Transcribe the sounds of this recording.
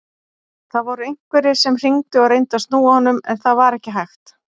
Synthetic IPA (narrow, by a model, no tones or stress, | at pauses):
θaðvɔɾʏejŋ̥kvɛɾɪ̥sɛmr̥iŋt̪ʏɔɣɾejnt̪ast̪nuːahɔnːʏmɛ̰nθaðvaɾɛhcɪɦajxt̪